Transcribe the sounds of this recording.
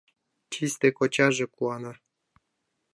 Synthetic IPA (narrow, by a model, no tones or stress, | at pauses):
t͡ɕisʲt̪ekot͡ɕɑʒĕkuɑnɑ